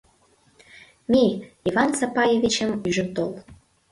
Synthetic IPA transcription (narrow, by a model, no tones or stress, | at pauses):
miivɑnt͡sɑpɑjevit͡ɕə̆myʒə̆nt̪ol